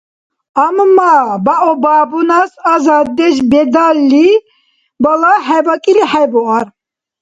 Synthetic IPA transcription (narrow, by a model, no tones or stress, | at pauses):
ammabaʔɔbaːbunasazad̪ɛʃbɛd̪alːi | balaħajvakʼiliħajbɔaɾ